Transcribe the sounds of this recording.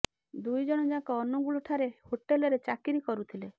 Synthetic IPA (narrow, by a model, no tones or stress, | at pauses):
d̪ujd͡ʒɔɽ̃ɔd͡ʒakɔːnuɡuɭɔʈʰaɾehoʈelɔɾet͡ʃakiɾikɔɾut̪ʰile